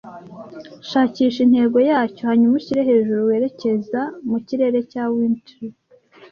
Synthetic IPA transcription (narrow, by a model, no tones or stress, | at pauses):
ʃaːciːʃin̥he̞ːɾɡo̞jaːco̞haɲumuciɾeɦe̞ːʒuɾuwe̞ːɾe̞ce̞zamuciɾe̞ːɾe̞cawiːntɾi